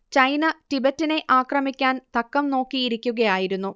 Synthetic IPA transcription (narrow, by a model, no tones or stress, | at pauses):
t͡ɕɐjnɐtibɐtːine̞ʔaːkrɐmikʲːaːnt̪ɐkːɐmno̞ːkːijiɾikʲːuɣɐjaːjiɾunːu